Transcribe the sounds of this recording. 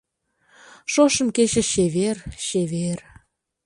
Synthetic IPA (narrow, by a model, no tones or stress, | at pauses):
ʃoʃə̆mket͡ɕə̆ʃeβerɕeβer